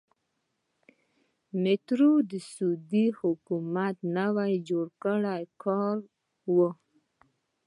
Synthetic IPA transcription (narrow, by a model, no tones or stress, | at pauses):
mɪt̪ɾud̪əsud̪ihʊkumat̪nawajd͡ʒoɽkəɽajkʰɑɾ | wə